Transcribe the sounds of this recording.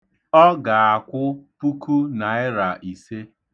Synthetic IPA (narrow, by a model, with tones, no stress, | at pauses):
ɔ˦ɡa˨a˨kʷʊ˦pu˦ku˦na˨ɪ˦ɾa˨ʔi˨se˦